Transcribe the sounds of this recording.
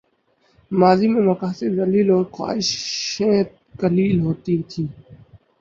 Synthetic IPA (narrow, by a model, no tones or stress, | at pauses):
maːziːmẽːməkaːseɾd̪əliːloːɾxwa̰ːɪʃẽːt̪ | kəliːlɦoːt̪iːt̪ʰiː